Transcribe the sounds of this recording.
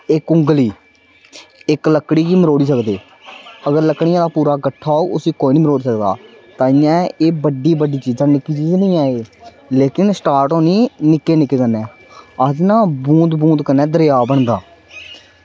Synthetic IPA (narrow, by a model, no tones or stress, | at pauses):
ɪkʊŋɡliː | ɪkləkːɽiːɡiːməɾoːɽiːsəkd̪eː | əɡəɾləkɽɪjãːd̪aːpuːɾaːkəʈʰːaːoːʔʊsiːkoːiːnĩːməɾoːɽiːsəkd̪a̰ː | t̪ãːɪːjãːeːbəɖiːbəɖiːt͡ʃiːzãːnɪkːiːt͡ʃiːznəĩːaːeː | leːkɪnsʈaːɾʈoːniːnɪkːeːnɪkːeːkənːɛː | əd͡ʒnãːbũːd̪bũːnd̪kənːɛːd̪əɾɪjaːbəɳd̪aː